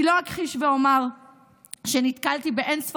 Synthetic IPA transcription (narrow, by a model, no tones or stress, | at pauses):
ilo̞akχiʃveo̞maʁ | ʃenit̪kalt̪ibeʔensf